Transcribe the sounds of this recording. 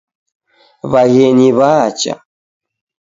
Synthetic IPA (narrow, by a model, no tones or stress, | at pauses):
βaɣɛɲiβat͡ʃa̰